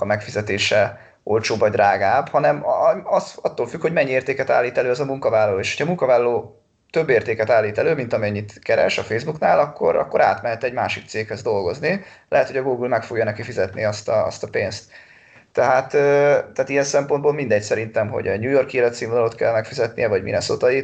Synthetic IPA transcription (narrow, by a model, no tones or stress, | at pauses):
ɒmɛkfizɛt̪eːʃɛ | ʔo̞lt͡ʃoːbvɒɟd̪rʔaːɡaːbhɒnɛmɒsɒt̪ːoːlfykho̞ɟmɛɲːieːrt̪eːkɛt̪a̰ːlːiːt̪ɛløːɛzɒmuŋkɒvaːlːɒloːeːʃho̥cʰɒmuŋkɒvaːlɒloː | t̪øbːeːrt̪eːkɛt̪aːlːiːt̪ɛløːmint̪ɒmiɛɲːit̪kɛɾɛ̰ʃɒfeːjzbuknaːlɒkːo̞̰ɾɒ̰kːo̞ɾa̰ːt̪mɛɦɛt̪ɛɟmaːʃik̚t̪seːkhɛzd̪o̞lɡo̞znilɛ̰ɦɛt̪ho̞ɟɒɡuːɡulmɛkfo̞ɡjɒnɛkifizɛt̪nḭɒst̪ɒɒ̰st̪ɒpeːnst̪ː | ɛɦaːt̪øːt̪ːɛːt̪ijɛnsɛmpo̞nd̪boːlmind̪ɛc̚sɛɾint̪ɛmɦo̞̰ɟɛ̰ɲuːjo̞rkieːlɛt̪siːmvod̪ɒlot̪kɛ̰lmɛkfizɛt̪nḭjɛvɒɟmḭnɛ̰so̞t̪ɒji